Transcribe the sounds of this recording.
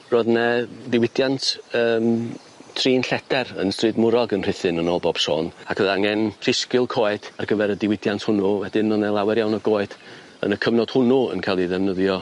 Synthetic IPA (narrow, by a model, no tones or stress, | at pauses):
roːðnɛdɪwɪdjantʰəːm | tʰriːnɬɛdɛrə̰nstrɨdmʊɾɔɡənrɪθɨnənɔːlˠbɔb̥so̰ːnakʰəðaŋɛnr̥ɪskɪlˠkʰoːɨdarɡəvɛɾədɪwɪdjantʰhʊnuwɛdɪnɔnɛlˠawɛɾjawnɔɡoːɨθ | ə̰nəkʰəvnɔd̥hʊnuə̰nkʰalˠiðɛvnəðjɔ